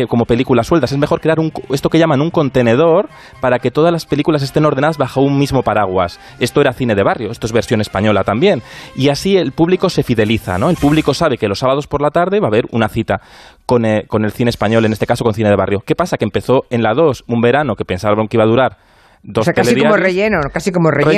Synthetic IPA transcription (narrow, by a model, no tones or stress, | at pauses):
ko̞mo̞pe̞likulasːwe̞lt̪as̬eme̞xoɾkɾe̞aɾuŋke̞st̪o̞ke̞ʎamanuŋko̞nt̪e̞ne̞ð̞o̞ɾ | paɾake̞t̪o̞ð̞azlaspe̞likulas̬e̞st̪e̞no̞ɾðenaðazβaxoummizmo̞paɾaɣ̞wa̰s | est̪o̞e̞ɾaθine̞ðe̞β̞arjo̞e̞st̪oezβe̞ɾsjo̞ne̞spaɲo̞lat̪ambje̞niasie̞lpuβliko̞se̞fiðe̞liθa̰no̞elpuβliko̞saβe̞ke̞lo̞sːaβaðo̞spo̞ɾlat̪aɾðe̞βaβe̞ɾṵnaθit̪a | ko̞neko̞ne̞lθineːspaɲo̞le̞nest̪e̞kaso̞ko̞nθine̞ð̞e̞βa̰rjo̞ke̞pasakempe̞θo̞e̞nlaðo̞sumbe̞ɾano̞ke̞pe̞nsaβaβɾoŋkeiβaðuɾaɾ | d̪o̞sk̪ealeiðoaorejenokasikomore